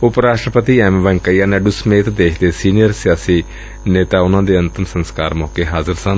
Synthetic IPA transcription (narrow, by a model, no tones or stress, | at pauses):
ʊpɾaːʃʈɾəpət̪iːɛːmʋɛ̃ŋkəijaːnɛːɖusəmeːt̪d̪eːkʰd̪eːsiːnijəɾsɪjaːsiː | neːt̪aːʊnãːd̪eːənt̪əmsənskaːɾmɔːkeːɦaːzəɾsən